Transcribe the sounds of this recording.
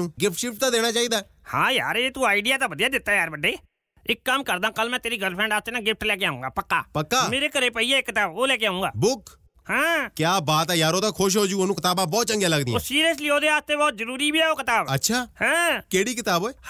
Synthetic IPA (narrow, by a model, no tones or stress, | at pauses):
ũːɡɪp̚ʈʃɪfʈ̚t̪ãːd̪eːñaːt͡ʃaːiːd̪aː | hã̰ːja̰ːɾeeːt̪uːaːiɖijaːt̪aːbəd̪ijaːd̪ɪt̪ːaːjaːɾbəɖːeː | ɪkːəmkəɾd̪ãːkəlmɛ̃ːt̪eːɾiːɡəlpʰɾɛ̃ːɳɖaːst̪eːnãːɡɪp̚ʰʈlɛːkeaːũːŋɡaːpəkːa̰ːpəkːaːmeːɾeːkəɾeːpəiɛːɪkːɪt̪aːboːlɛːk̬eaːũːŋɡa̰ːbʊk | hãːkjaːbaːt̪ɛːjaːɾoːt̪ãːkʰʊʃ̬ɦoːd͡ʒũːoːnũkɪt̪aːbãːbɔːt̪̚t͡ʃə̃ŋɡjãːləɡd̪ĩɛsiːɾijəs̬liːoːd̪eːaːst̪eːbɔːt̪̚zəɾuːɾiːbiːɛːoːkɪt̪aːbətːʃʰaːhɛ̃ːkeːɽiːk̬ɪt̪aːboːeː